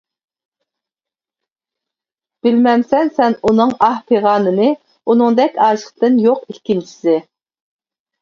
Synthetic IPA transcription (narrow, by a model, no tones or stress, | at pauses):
b̥ɪlmɛmsɛnsɛnunɨŋɑhpʰeʁɑːnɨnɨ | unɨŋd̪ɛkʲɑːʃəχt̪ɨnjoqikʲːint͡ʃʰi̥sɪ